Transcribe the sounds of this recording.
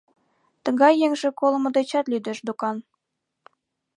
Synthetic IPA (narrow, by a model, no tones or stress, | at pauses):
t̪ə̆ɣɑjːeŋʒĕkolɤ̆mɤ̆d̪et͡ɕɑt̪lyd̪eʃd̪ukɑn